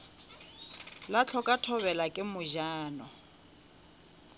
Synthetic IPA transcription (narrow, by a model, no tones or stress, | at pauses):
lat͡ɬʰɔkʼatʰɔβɛlakʼɪmʊʒaːnɔ